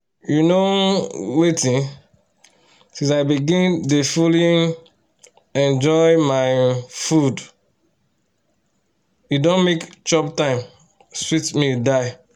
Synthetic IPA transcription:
junowetĩn | sĩsaɪbiɡĩndefulĩn | ɛ̃nd͡ʒɔɪmaɪfud | judõnmekt͡ʃɔptãɪ̃m | switmidaɪ

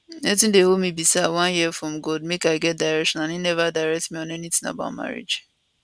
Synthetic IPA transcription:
netĩndehomibisawãnjiɛfɹɔ̃mɡod̚mekaɪɡɛt̚daɪɹɛkʃɔ̃nãninɛvadaɪɹɛk̚tmĩɔ̃nɛnitĩŋa̰ba̰ʊtma̰ɹḭd͡ʒ

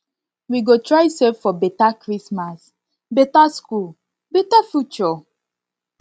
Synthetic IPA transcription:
wiɡotɹajsɛffɔbetakɹismas | betaskul | betafjut͡ʃɔ

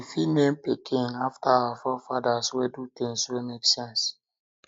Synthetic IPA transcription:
ifinẽmpikʰɪ̃ŋaftaawafɔfadaswedutĩŋswemeksɛ̃ns

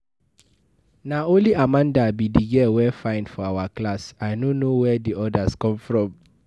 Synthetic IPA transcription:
naõnliamãndabidiɡɛwɛfãɪ̃nfɔawaklasaɪnonowɛdiɔdaskɔ̃mfɹɔ̃m

